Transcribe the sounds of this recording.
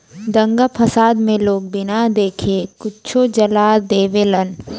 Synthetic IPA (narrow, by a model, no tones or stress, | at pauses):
d̪ɐ̃ŋɡapʰɐsaːd̪mẽloːɡ̚bɪnad̪eːkʰekʊtːt͡ʃʰod͡ʒɐlaːd̪eːʋelən